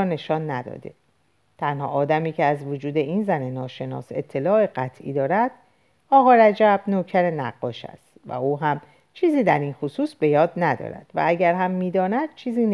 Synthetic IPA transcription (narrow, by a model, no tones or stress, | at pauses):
ne̞ʃɒːnːæd̪ɒ̰ːd̪e̞̰ | t̪ʰænhɒ̰ʔːd̪æmiːcʰeæzvod͡ʒuːd̪e̞iːnzæne̞nɒːʃe̞nɒ̰ːse̞̰t̪ʰːe̞lɒːe̞ɢæt̪ʰʔḭːd̪ɒːɾæd̪̥ | ɒːɣɒːɾæd͡ʒæb̥noːcʰæɾe̞næɢːɒːʃæ̰st̪væ̰uːɦæm | t͡ʃʰiːziːd̪æɾinxosuːsbe̞jɒːd̪̚næd̪ɒ̰ːɾæ̰d̪̥væ̰æɟæɾɦæmːiːd̪ɒːnæd̪̥̚t͡ʃʰiːziːn